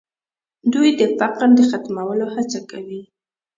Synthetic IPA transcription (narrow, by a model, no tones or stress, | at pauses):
d̪ujd̪əfaqəɾd̪əxat̪mawəlohat͡sakawi